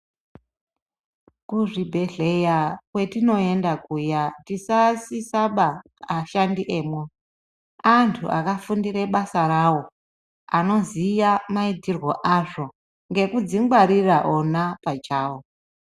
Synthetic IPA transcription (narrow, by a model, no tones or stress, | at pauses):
kuʐibʱe̞ɮe̞jakwe̞tino̞e̞ndakujatisasisaɓaː | ʃandiʔe̞ːmwe | antʰṵʔakafundiɾe̞ɓasaɾawo̞ | ano̞zijamaitirwo̞ʔaʐo̞ | ŋɡe̞kud͡ziŋɡwaɾiraʔonapat͡ʃaːwo